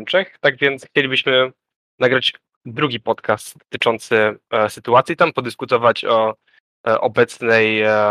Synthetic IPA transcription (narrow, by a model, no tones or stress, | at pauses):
mt͡ʂɛxt̪aɡvʲjɛnt̪sxt͡ɕelʲibɘɕmɘ | naɡɾad͡ʑ | d̪ɾuɡʲipɔt̪kast̪t̪ɘt͡ʂɔnt̪sɘsɘt̪uat̪sʲjit̪ampɔd̪ɘskut̪ɔvat͡ɕɔ | ʔɔbɛt̪snɛj